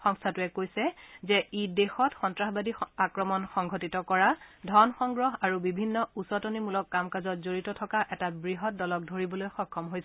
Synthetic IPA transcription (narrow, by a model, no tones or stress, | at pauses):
xɔŋstʰatuɛkojsɛzɛidexɔtxɔntɹaxbadiakɹɔmɔnxɔŋɡʱotitɔkɔɹadʱɔnxɔŋɡɹɔɦaɹubibʱinːɔusɔtɔnimulɔkːamkazɔt̚zoɹitɔtʰɔkaʔɛtabɹiɦɔt̚dɔlɔk̚dʱoɹibɔlojxɔkʰːɔmɦojsɛ